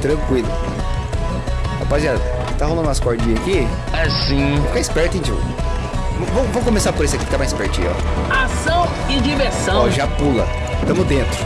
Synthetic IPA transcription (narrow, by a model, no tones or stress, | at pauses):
t̪ɾɐ̃kwilʊ | apazʒa | t̪aɦolɐ̃naskɔɾd͡ʒĩɲɐkiasĩfkaispɛɾt̪ẽt͡ʃḭ | vɐ̃vɐ̃mvõmkõmesaɾpoɾesɪaki̥fkamãjispɛɾt͡ʃĩjɔ̰asɐ̃w̃ | ɪd͡ʒiveɾsɐ̃ɔ̃ʒapulɐ̰ | t̪ɐ̃mʊd̪ẽnt̪ɾʊ